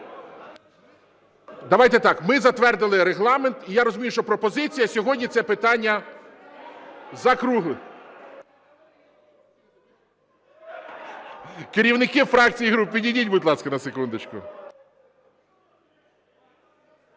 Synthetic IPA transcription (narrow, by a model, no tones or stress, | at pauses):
d̪ɐʋɑjt̪ɛt̪ɑkmɪzɐt̪ʋɛrd̪ɪlˠɪɾeɦlˠɑment̪ijaɾɔzʊmʲijuʃt͡ʃɔpɾɔpɔzɪt͡sʲijɐsʲɔɦɔdʲnʲit̪sɛpɪt̪ɑnʲːɐ | zɐkɾuɦʊ | keɾʲiwnɪkɪfɾɑk̚t͡sʲijiɦɾupːidʲidʲidʲbʊd̪lˠɑskɐnɐsekund̪ɪt͡ʃkʊ̰